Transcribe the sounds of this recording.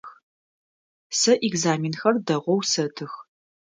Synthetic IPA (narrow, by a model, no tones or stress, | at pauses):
x | sɐʔiɡzaːminxɐrdɐʁʷɔwsɐtʰɨx